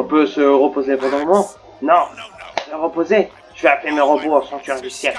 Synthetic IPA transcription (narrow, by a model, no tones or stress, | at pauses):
ɔ̃pøsəʁəpozepɑ̃ʁd̪ɔ̃mɔmɑ̃ | nɔ̃səʁəpoze | t̪yvaplemeʁəboãsɑ̃t̪yʁd̪ysjɛ